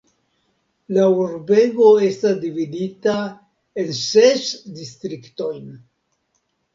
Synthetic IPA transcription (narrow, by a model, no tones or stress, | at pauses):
lauɾbe̞ɡo̞e̞stasdividita | e̞nsesdistɾikto̞jn